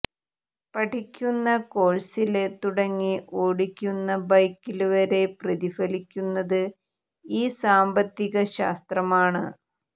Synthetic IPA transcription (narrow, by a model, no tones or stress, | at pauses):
pɐʈʰikʲːunːɐko̞ːɭsilet̪uɽɐŋːiʔoːɽikʲːunːɐbɐjkːiluʋɐɾe̞prɐðifɐlikʲːunːɐðɨ | iːsaːmbɐt̪ːiɣɐɕaːst̪rɐmaːɳɨ